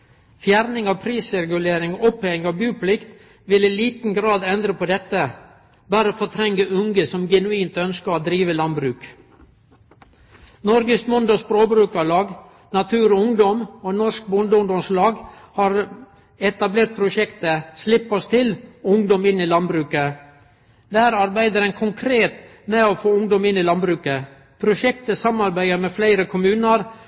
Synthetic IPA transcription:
fjæɾnɪŋɑʋpʰɾiːsɛɡʉleːɾɪŋɔpɛŋɑʋbjʉːpʰlɪkt̪ | ʋɪliliːt̪n̩ɡɾɑːd̪ɛnd̪ɾəpʰɔd̪ɛt̪ːə | bɑːɾəofɔt̪ʰɾɛŋːəʔʉŋɡəsɔmɡɛnʉiːnt̪œnskəɾod̪ɾiːʋəlɑnbɾʉːk | nɔɾɡəsmʊnd̪ɔsbɾoːbɾʉːkɑlɑːɡ | nɑt̪ʰʉːɾoʊŋd̪ɔmoːnɔʂk̚bʊnd̪əʊŋd̪ɔmslɑːɡhɑːɾ | ɛt̪ɑbleːʈ̪̚pʰɾʊʃɛkt̪əslɪpːɔst̪ʰɪlʊŋd̪ɔmɪniːlɑnbɾʉːkə | d̪æːɾɑɾbæɪd̪əɾɛnkʰʊŋkʰɾeːt̪ | mɛoːfoːʊŋd̪ɔmɪnːiːlɑnbɾʉːkə | pʰɾʊʃɛkt̪əsɑmɑɾbæɪəɾmɛːflæɪɾəkʰʊmʉːnəɾ

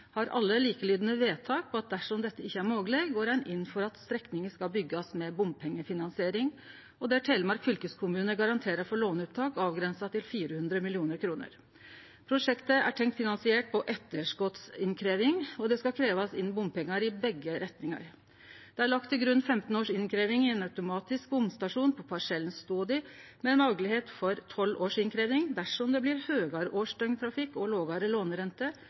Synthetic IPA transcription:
hɑɾɑ̰lːəliːkəliːd̪nəʋeːt̪ʰɑːk̚pʰɔɑt̪̚d̪æʂɔmd̪ɛt̪ːəɪçːəæɾmoːɡəleɡɡoːɾɛnʔɪnːfɔɾɑt̪st̪ɾɛknɪŋəskɑlbʏɡːɑsmɛbʊmpʰɛŋːəfɪnɑnsɪeːɾɪŋ | ɔd̪ɛæʈʰɛɪlmɑɾkfʏlkəskʰʊmʉːnəɡɑɾɑnt̪ʰeːɾəɾfɔɭoːnʉːp̪̚t̪ʰɑːkɑːʋɡɾɛnsɑt̪ʰɪlfiːɾəhʉnd̪ɾəmɪlɪuːnəɾkʰɾuːnə̰ɾ | pʰɾʊʂɛkt̪əæ̰ʈʰɛŋkt̪fɪnɑnsɪɛʈ̚pʰɔʔɛt̪ːəʂkɔt̪sɪnkʰɾeːʋɪŋɔd̪ɛskɑkʰɾeːʋɑsɪnbʊmpɛŋːɑɾɪbɛɡːəɾɛt̪nɪŋɑ̰ɾ | d̪̥ɛæɭɑk̚t̪ʰːɪlɡɾʉnːfɛmt̪n̩oːʂɪnkʰɾeːʋɪŋɪɛnɑʉt̪ʊmɑːt̪ɪsk̚bʊmst̪ɑʂuːnpʰɔpʰɑʂɛlnst̪oːd̪ɪmɛːnmɑlɡəlɪheːt̪fɔɾt̪ʰɔlːoːʂɪnkʰɾeːʋɪŋd̪æʂɔmd̪ɛblɪɾhøːɡɑɾʔoːʂʈœʏŋt̪ʰɾɑfɪkːɔloːɡɑːɾəloːnɾɛnt̪ə

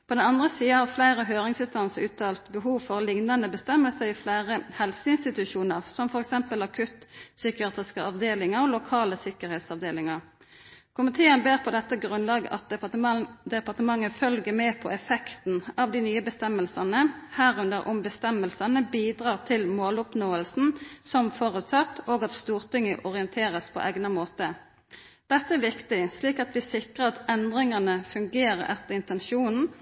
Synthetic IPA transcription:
pʰɔd̪ɛnɑnd̪ʁəsiːəɑflæɪɾəɦøːʁɪŋsɪst̪ɑnsəɾʉːt̪ʰːɑːlt̪bəɦuːʋfɔʁlɪŋnɑnəbəst̪ɛmːəlsəɾɪflæɪʁəhɛlfsəɪnst̪ɪt̪ʉʃuːnəʁsɔmfɔɾɛksɛmpəlɑkʰʉt̪sʏkɪɑːt̪ʁɪskəɑʋd̪eːlɪŋəɾɔlʊkʰɑːləsɪkəɾhɛeːt̪sɑʋd̪eːlɪŋɑʁ | kʰʊmɪt̪ʰeːənbeːʁpʰɔd̪ɛt̪ːəɡʁʉnlɑːɡəʔɑt̪̚ | d̪ɛpɑʁt̪əmɑŋːəfœlɡəmɛːpʰɔɛfɛkt̪n̩ɑʋd̪ɪnyːəbəst̪ɛmːəlsɑnəhæːɾʉnd̪əɾʔʊmbəst̪ɛmːəlsɑnəbiːd̪ʁɑːʁt̪ʰɪlmoːlʊpnoːəlsn̩sɔmfɔʁʉt̪sɑt̪ːoːɡɑt̪st̪uːʁt̪ʰɪŋːəʔɔʁɪɛnt̪ʰeːʁəspʰɔ̰ʔɛɡnɑmoːt̪ə | d̪̥ɛt̪ːəæʋɪkt̪ɪsliːkɑt̪ʋɪsɪkʁəɑt̪ɛnd̪ʁɪŋɑnəfʉŋɡeːʁəɾɛt̪ːəɪnt̪ɛnʃuːnn̩

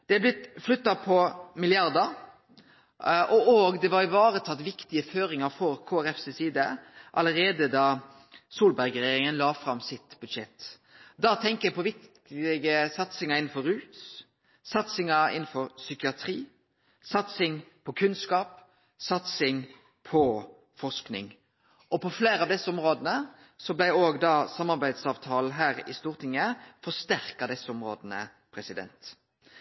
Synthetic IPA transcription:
d̪̥ɛɑblɪt̪flʉt̪ːɑpʰɔmɪlɪɑʁd̪əʁ | ʔɔʔoːɡd̪ɛʋɑɪʋɑːʁət̪ʰɑt̪ːʋɪkt̪ɪəføːɾɪŋɑɾfɔɾkʰoːæɾɛfsesiːd̪əʔɑ̰ləɾeːd̪əd̪ɑ | suːlbæʁɡɾɛjeːɾɪŋənlɑːfɾɑmːsɪt̪bʉd̪ʂɛt̪ː | d̪ɑt̪ʰɛŋkəjɛpɔʋɪkt̪ | ɪɡəsɑt̪sɪŋɑɪn̩fɔɾʉːt̪ | sɑt̪sɪŋɑɪ̰nn̩fɔʁsʏkɪɑt̪ʰʁiː | sɑt̪sɪŋpʰɔkʰʉnskɑːp | sɑt̪sɪŋ | pʰɔ | fɔsknɪ̰ŋ | ɔpɔfleːɾəɑʋd̪ɛsːəɔmʁoːd̪ənə | sɔblæɪoːɡd̪ɑːsɑmːɑʁbæɪd̪sɑːʋt̪ʰɑːl̩ɦæːɾɪ̰st̪uːʁt̪ʰɪŋːəfɔst̪æʁkɑd̪ɛsːəɔmʁo̰ːd̪ənə̰ | pʰɾɛsɪd̪ɛ̰nt̪

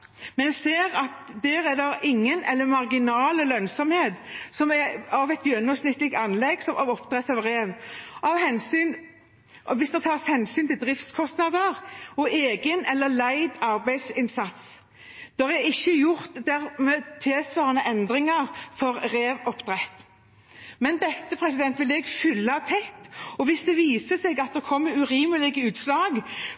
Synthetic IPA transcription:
mɛnjseːɾɑt̪d̪æːɾɛd̪ɔʔɪŋːənɛlːəmɑʁɡɪnɑːləlœnsɔmheːt̪sɔmɛɑʋɛt̪jœnːɔmsnɪt̪ːlɪk̚t̪ɑnlɛɡsɔmʔɑʋɔpd̪ʁɛt̪ːɑʋɾeːʋɑʋhɛnsyːn | ɔʋɪsd̪ɛt̪ʰɑːʁshɛnsyːnt̪ɪld̪ɾɪft̪skʰɔst̪nɑd̪əɾɔʔeːɡənɛlːəlæɪd̪ɑʁbæɪsɪnsɑt̪s | d̪̥ɔʁɛdɪçːəjʊʁt̪d̪æʁmeːt̪ʰeːsʋɑːʁnəʔɛnd̪ʁɪŋəʁfɔʁʁeːʋɔpd̪ʁɛt̪ː | mɛnd̪ɛt̪ːəpʰʁɛsɪd̪ɛnt̪ʋɪlɛɡfʏlːɑɑʋt̪ʰɛt̪ːɔʋɪsd̪ɛʋiːsəsɛːɡɑt̪̚d̪ɛkʰɔmːəɾʉʁiːməlɪɡəʉːt̪slɑːɡ

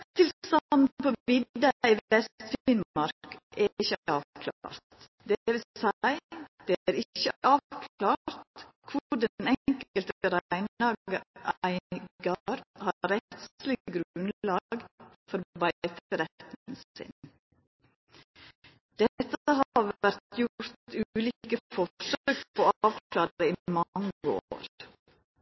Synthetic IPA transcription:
t̪ʰɪlst̪ɑn̩pʰoːɪd̪ɑiːɛst̪fɪnɑɾkʔæɪçəæɑːʋkʰlɑɾt̪ | d̪ɛʋɪlsæɪd̪̥eæɾɪçəɑːʋkʰlɑːɾt̪kʰʊɖɛnɛkəlt̪əɾæɪnlɑːɡɡəʔæɪɡɑɾhɑɾɛt̪slɪəɡɾnlɑːɡ | fɔɾbæt̪t̪ɾɛt̪nn̩sɪ̰n | d̪̥ɛt̪əhɑʋæɾt̪ʰjʊɾt̪ʉːlikəfɔʂøːkpʰoːɑːʋkʰlɑːɾəiːmɑŋːəoːɾ

